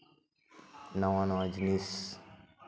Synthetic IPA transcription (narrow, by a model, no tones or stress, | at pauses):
nawãnɔ̃d͡ʒnis